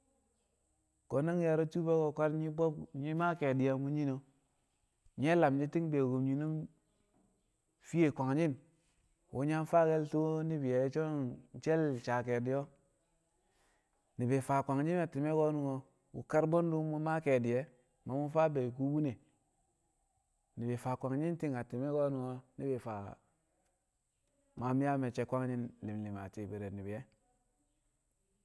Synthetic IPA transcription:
ɡ̥o˨na˦ŋ˦ja˨ɾo˦t͡ʃu˦be˦ɡo˨kʷa˦ɾɲi˦bo˦bɲi˦ma˦ke˨di˨ja˨mu˦ɲi˦no˦ | ɲe˦la˨md͡ʒi˦ti˦ŋbe˨ɡo˨mɲi˨nu˦m | fi˦je˨kʷa˨ŋd͡ʒi˦n | wo˨˦ɲa˦n˦fa˦ɡe˦lto˦ni˦bi˨ja˨i˦t͡ʃo˦n˦t͡ʃe˦lt͡ʃa˨ke˨di˦jo˦ | ni˨be˨fa˨kʷa˨ŋd͡ʒi˦na˨ti˨me˦ɡo˦nu˨ŋo˦ | wṵ˨ka˦ɾbo˦n˦du˦mu˦ma˦ke˨di˨jɛ˦ | ma˨mu˦fa˦be˨k̬u˦wu˦ne˨ | ni˨be˨fa˨kʷa˨ŋɲi˦n˦ti˦ŋa˨ti˨me˦ɡo˦nu˨ŋo˦ni˦be˨fa˨ | ma˨˦mi˦a˦me˨t͡ʃe˦kʷa˦ŋɲi˦nli˨mli˨ma̰˨ti˨be˨ɾe˨ni˨bi˨jɛ˦

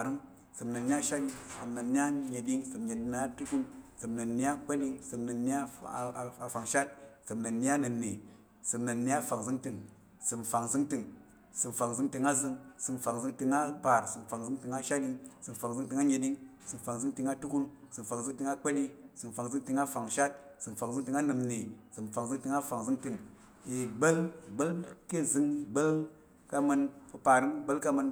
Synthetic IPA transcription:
a˨ɾɨ˦ŋ | sɨ˨mna˨nːi˦a˦ʃa˦li˧sɨ˨mna˨nːi˦a˦ɲe˨di˦ŋsɨ˨mɲe˨di˧n˨a˦tu˦ku˧nsɨ˨mnə˨nːi˦a˦k͡pe˦li˧ŋsɨ˨mna˨nːi˦a˦˨ | a˨fa˨ŋʃa˦t̚sɨ˨mna˨nːi˦a˦na˨nːe˨ | sɨ˨mna˨nːi˦a˦fa˨ŋzɨ˦ŋtɨ˨ŋ | sɨ˨mfa˨ŋzɨ˦ŋtɨ˧ŋ | sɨ˨mfa˨ŋzɨ˧˦ŋtɨ˨˧ŋa˦zɨ˧ŋsɨ˨mfa˨ŋzɨ˧ŋti˧ŋa˦pa˨ɾsɨ˨mfa˨ŋzɨ˦ŋtɨ˨ŋa˦ʃa˦di˧ŋsɨ˨m˨fa˨ŋzɨ˦ŋtɨ˧ŋa˦ɲe˨di˦ŋ | sɨ˨mfa˨ŋzɨ˦ŋtɨ˧ŋa˦tu˦ku˦nsɨ˨m˨fa˨ŋzɨ˦ŋtɨ˧ŋa˦k͡pe˦li˦sɨ˨m˨fa˨ŋzɨ˦ŋtɨ˧ŋa˦fa˨ŋʃa˦t̚sɨ˨mfa˨ŋzɨ˦ŋtɨ˧ŋa˦nɨ˨mni˨sɨ˨mfa˨ŋzɨ˦ŋtɨ˧ŋa˦fa˨ŋzɨ˦ŋtɨ˧˨ŋ | i˨ɡ͡bə˦lɡ͡bə˦lke˦zɨ˧ŋ˨ɡ͡bə˦l | ka˦mɨ˧npɨ˧pa˨ɾɨ˦n˦ɡ͡bə˦lka˦mə˧n

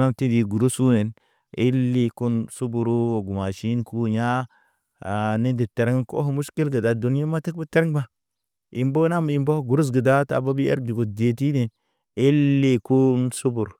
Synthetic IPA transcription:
na˦mti˦di˨ɡu˨ɾu˦su˦ne˨n | i˦lːi˦ku˦nsu˦bu˨ɾu˦o˨ɡu˨ma˨ʃi˦nku˦ɲa˦˨ | ni˦ndi˨te˨ɾe˦ŋ˦ko˦ɦmu˦ʃki˦lɡə˨da˨du˨n˦e˦ma˦ti˦kbə˦te˦ɾŋba˦ | i˨mbo˦na˦mi˨mbo˦hɡu˨ɾu˦s̬ɡə˨da˦ta̰˨ba˦bi˦ḛ˦ɾdi˨ɡo˨de˨ti˦ne˨n | i˦lːi˦ku˦nsu˦bu˨ɾ

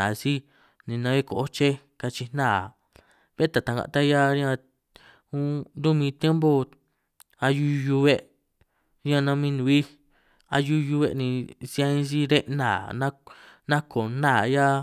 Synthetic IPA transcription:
ã˨si˦ | nĩ˧nã˧βe˦ko˨ʔo˦t͡ʃe˦ | ka˧t͡ʃi˧n̥nã˦˨ | βe˦t̪a˨t̪a˧ŋɡã̰˧˨˧t̪a˦ja˦ã˧ | ũ˦nd̪u˦mĩ˧t̪je˦mbo˦ | a˧ju˦˧˦ju˧βe˦ʔ | ã˦˧nã˧mĩ˧nũ˧˨i˦ | a̰˧ju˦˧ju˧βe˧nĩ˧si˧a˧ĩ˦si˦ɾe˦ʔnã̰˦˨nã˦nã˦kʰo˨nã˦˨ja˦

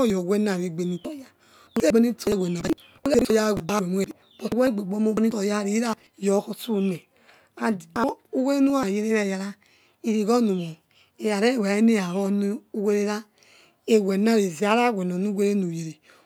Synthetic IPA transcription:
jɔ˨we˦na˨ɾe˨ɡ͡be˨ni˨˦tɔ˨ja˦ | u˦e˦ɡ͡be˦ni˦tɔ˨jwe˨na˨ | u˦e˦ɔ˨ja˦˨e˨ba˦˨e˨mu˦e˨ɾ | bo˨we˦ɡ͡be˨ɡ͡bo˨˦mo˦ni˦tɔ˨ja˦ɾi˨˦ɾa˦˨jɔ˨˦kɔ˦su˦ne˨ | a˨a˨˦u˦we˦ɾe˦nu˦a˨je˦ɾe˦ɾe˦˨ja˨ɾa˦ | i˨ɾi˨ɣɔ˦nu˨mo˨ | e˨ja˨ɾe˦˨we˨e˦ne˦ja˨ɾɔ˦n˦u˦we˦ɾe˦ɾa˦ | e˨we˨na˦ɾe˨zi˨a˦ɾa˦˨wʷɛ˨no˨nu˦we˦ɾe˦nu˨je˨ɾe˨

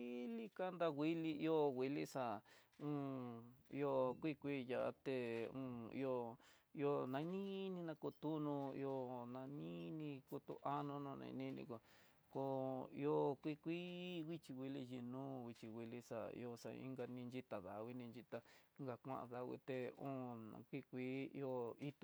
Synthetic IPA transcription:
i˦li˦ka˦nd̪a˦wʷi˦li˧i˦o˦wi˧li˦sa˧˨ũ˦ḭ˧o˧kʷi˦kʷi˦ja˧˨a̰˧t̪e˧ũ˧ḭ˧o˧ | i˧o˧nã˧˦nĩ˦nĩ˧nã˧ku˧t̪u˦nũ˧ḭ˧o˧nã˧nĩ˦nĩ˧ku˧t̪ṵ˧ʔa˦nõ˧nõ˧nḛ̃˧nĩ˦nḭ̃˧ko˧ | ko˧ḭ˧˦o˦kʷi˦˧kʷi˦wi˦t͡ʃi˧wi˧li˧ji˧nũː˦wi˧t͡ʃi˧wi˧li˧sa˨ḭ˧o˧sa̰˧ḭ̃˦ŋɡa˧nĩ˧nd͡ʒi˦t̪a˨ða˨˧wʷi˦nĩ˧nd͡ʒi˧t̪a˧˦ŋɡa˧kʷã̰˦˧ʔa̰˧ða˧ɣwḭ˧t̪e˧ũː˦nã̰˧kʷi˦˧kʷḭː˦˧o˧i˦t̪

